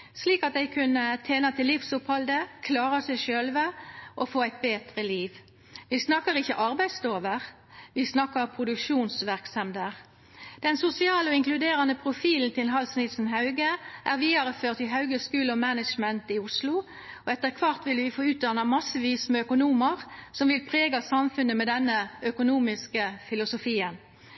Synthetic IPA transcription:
sliːkɑt̪̚d̪ɛɪkʰʉnət̪ʰeːnɑt̪ʰɪlːɪfsʊphɑld̪əkʰlɑːʁɑsɛɪʃøːlʋəʔɔfoːæɪt̪̚beːt̪ʁəliːʋ | ʋɪsnɑkːəʁɪçːəʔɑʁbæɪd̪st̪oːʋəʁ | ʋɪsnɑkːəpʰʁʊd̪ʉkʂuːnsʋæʁksɑmd̪əʁ | d̪̥ɛnsʊsɪɑːləɔɪŋklʉd̪eːʁɑnəpʰʁʊfiːln̩t̪ɪlɦɑlsnɪsn̩ɦɑʉɡəʔæːʁʋiːɑʁəføːʁt̪ɪɦɑʉɡəskʉːləɔmænəʃmɛnt̪ɪʊslʊ | ɔɛt̪ːəʁkʰʋɑʁt̪ʋɪlʋɪfoːʉːt̪̚d̪ɑnɑmɑsːəʋiːsmɛœkʊnuːməʁsɔmʋɪlpʰʁeːɡɑsɑmfʉnːəmɛd̪ɛnːəœkʊnuːmɪskəfɪlʊsʊfiːən

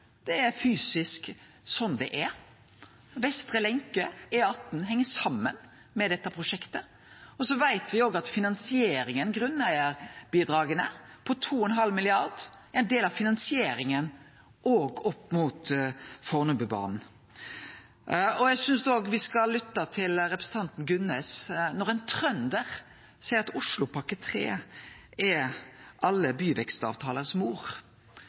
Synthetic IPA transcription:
d̪̥ɛæɾfyːsɪsk | sɔnd̪ɛ̰ʔɛ | ʋɛst̪ɾəlɛŋkəɛɑt̪̚nɦɛŋːəsɑmːən | mɛd̪ɛt̪ːəpʰɾʊʂɛkt̪ə | ɔsɔʋæɪt̪ʋɪoːɡɑt̪fɪnɑnsɪeːɾɪŋənɡɾʉnæɪəɾb̥iːd̪ɾɑːɡənəpʰɔt̪ʰuːɛɛnɦɑlmɪlɪɑɾd̪ | ɛɪnd̪eːlɑʋfɪnɑnsɪeːɾɪŋən | ʔoːɡɔpːmuːt̪fɔʁnʉbəbɑ̰ːnn̩ | ɔjæɪsʏnsd̪oːɡʋɪskɑlːʏt̪ːɑt̪ʰɪlɾɛpɾəsn̩t̪ʰɑnt̪n̩ɡʉnːɛːsnɔʁɛɪnt̪ʰʁœnd̪əʁ | sæɪɾɑt̪ʊʂlʊpʰɑkət̪ʰɾḛː | ɛʔɑlːəbyːʋɛkst̪ɑ̰ːʋt̪ʰɑːləʁsmuːʁ

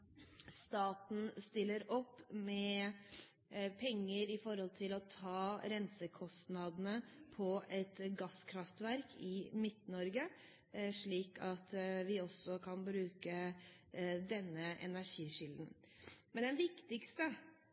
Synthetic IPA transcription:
st̪ɑːt̪n̩st̪ɪlːəɾɔpːmɛ | pʰɛŋːəɾɪfɔɾhɔlt̪ʰɪlɔt̪ʰɑːɾɛnsəkʰɔst̪nɑd̪nəpʰɔɛt̪ɡɑskʰɾɑft̪ʋæɾkʰɪmɪt̪nɔɾɡə | ʂɭiːkʰɑt̪ʋɪɔsːɔkʰɑnbɾʉːkə | d̪ɛnːəʔɛ̰næʂiːʂʏld̪n̩ | mɛnd̪ɛnʋɪkt̪ɪkst̪ə

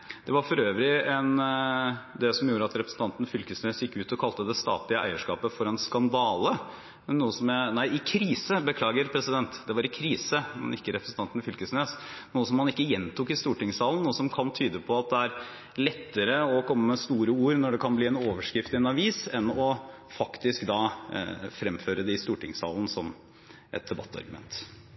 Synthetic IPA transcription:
d̪̥ɛʋɑɾfɔɾøːʋɾɪɛn | d̪ɛsɔmjuːɾəɑt̪ɾɛpɾəsn̩t̪ɑnt̪n̩fʏlkəsneːsjɪkːəʉːt̪ɔkʰɑlt̪əd̪ɛst̪ɑ̰ːp̪lɪəʔæ̰ɪəʂkɑ̰ːpəfɔɾɛnskɑnd̪ɑːlə | mɛnːuːəsɔmænæɪʔɪkʰɾiːsəbəkʰlɑːɡəɾpʰɾɛsɪd̪ɛnt̪d̪ɛʋɑɾɪkʰɾiːsəmɛ̰nɪkːəɾɛpɾsn̩t̪ɑnt̪nfʏlkəsneːsnuːəs̬ɔmhɑnɪkːəjɛnt̪ʊkɪst̪uːʈɪŋsɑːlən̩ːuːəsɔmkʰɑnt̪ʰyːd̪əpʰɔɑt̪̚d̪ɛæɾ | lɛt̪ːəɾəɔkʰɔmːəmɛst̪uːɾəuːɾnɔɖɛkʰɑnbliːɛnoːʋəʂkɾɪft̪ɪɛnɑʋiːsɛnɔ | fɑkt̪ɪskd̪ɑː | fɾɛmføːɾəd̪ɛɪst̪uːʈɪŋsɑ̰ːln̩sɔm | ʔɛ̰t̪̚d̪ɛbɑ̰t̪ːəɑ̰ɾɡʉmɛ̰nt̪

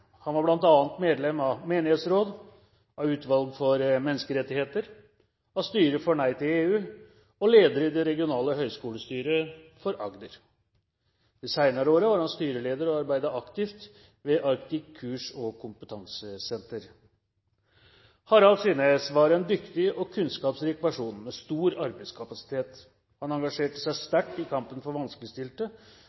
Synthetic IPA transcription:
hɑnʋɑɾblɑnt̪ɑːnt̪meːd̪lɛmɑmeːnɪheːt̪sɾoːd̪ | ʔɑʉːt̪ʋɑlɡfɔɾmɛnːəskəɾɛt̪ːɪheːt̪əɾ | ɑst̪yːɾəfɔɳæɪt̪ɪeːʉː | ɔleːd̪əɾəɪd̪ɛɾɛɡɪʊnɑːləɦœʏskuːləst̪yːɾəfɔɾʔɑɡd̪əɾ | d̪isæɪnɑɾəoːɾəʋɑːɾhɑnst̪yːɾəleːd̪əɾɔɑɾbæɪd̪əʔɑkt̪ɪft̪ | ʋɛʔɑɾkt̪ɪkʰːʉːʂɔkʰʊmpət̪ʰɑŋsəsɛnt̪əɾ | hɑɾɑsiːnesʋɑɾɛnd̪ʏkt̪ɪɔkʰʉnskɑːpsɾiːkpæʂuːnmɛst̪uːɾɑɾbæɪd̪skʰɑpɑsɪ̥t̪ʰeːt̪ | hɑnɑŋɡɑʂeːʈəsæɪst̪æʈːɪkʰɑmpənfɔɾʋɑnskləst̪ɪlʈ̪ə

